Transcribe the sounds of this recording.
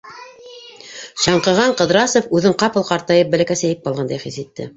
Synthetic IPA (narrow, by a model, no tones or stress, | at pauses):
ɕɑɴqɤ̆ʁɑɴqɤ̆ðɾɑsofʉðɘɴqɑpɤ̆lˠqɑɾt̪ɑjɤp̚bæ̆lækæsæjɘp̚bɑlˠʁɑnd̪ɑjχisit̪ːɘ̰